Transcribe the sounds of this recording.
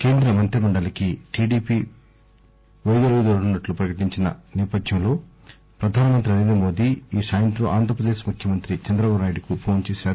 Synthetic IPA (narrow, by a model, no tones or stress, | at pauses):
ke̞ːnd̪ɾɐmɐnt̪ɾɐmɐɳɖɐlɐkiʈiːɖiːpi | ʋɐjd̪ɐɾʋid̪oɽunːɐʈlupɾɐkɐʈiɲt͡ʃinɐ̰nɛːpɐd̪ʱjɐmlo̞ː | pɾɐd̪ʱaːnɐmɐnt̪ɾiɐɾeːnɐmo̞ːd̪iːsaːjɐnt̪ɾɐʔaːnd̪ʱɾpɾɐd̪eːʃmukʰjɐmɐnt̪ɾit͡ʃɐnd̪ɾɐbabnaːjʈikupʰo̞ːnt͡ʃeːsaːɾu